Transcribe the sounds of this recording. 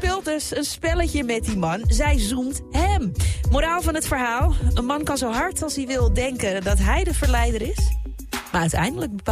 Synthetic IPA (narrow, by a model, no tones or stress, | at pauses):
pɪlˠtəsənspɛləçəmɛt̚dimɑnzɛjzumtɦɛmmoɾaːlˠvɑnɦətfəɹɦaːlˠənmɑnkɑnzowɦɑɹtʰɑlˠsiʋɪlˠdɛŋkədɔtɦɛjdəvəɹlɛjdəɾɪs | maœɥtɛ̰jndələɡ̚bəp